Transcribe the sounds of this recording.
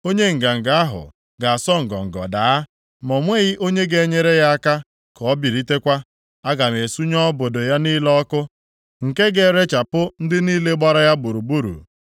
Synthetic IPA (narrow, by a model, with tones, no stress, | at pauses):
o˦ɲe˦ŋ̩˨ɡa˨ŋ̩˨ɡa˨a˦ɦʊ̰˨ | ɡa˨a˨sɔ˦ŋ̩˨ɡɔ̰˨ŋ̩˨ɡɔ̰˨da˨a˦ | mɔ˨ŋʷe˦ɣɪ˦ʔo˦ɲe˦ɡe˨˦ɲe˦ɾe˦ja˦a˦ka˦ | kɔ˨˦bi˨ɾi˦te˦kʷa˦ | a˦ɡa˨m˨e˨su˦ɲɔ˦bo˨do˨ja˦niː˦lɔ˦kʊ˦ | ŋ̩˨ke˦ɡe˨ɾe˦t͡ʃa˨pʊ˦n̩˦dɪ˦niː˦le˦ɡ͡ba˦ɾa˦ja˦ɡ͡bu˨ɾu˨bu˦ɾṵ˨